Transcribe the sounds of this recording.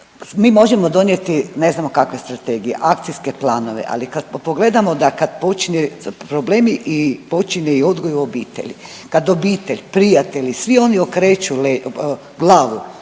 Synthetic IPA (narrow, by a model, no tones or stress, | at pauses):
miːmo̞ʒemo̞d̪o̞njet̪ine̞znamokakʋe̞st̪ɾat̪e̞ːɡijḛʔakt̪sijske̞plaːno̞ʋḛʔa̰likad̪poɡle̞d̪amod̪akad̪po̞t͡ʃiɲepɾobleːmiʔipo̞t͡ʃiɲeio̞d̪ɡojuobiːt̪ḛʎʲḭ | kad̪obiːt̪e̞ʎʲpɾijat̪e̞ʎisʋio̞niokɾeːt͡ʃule | ɡlˠaːʋu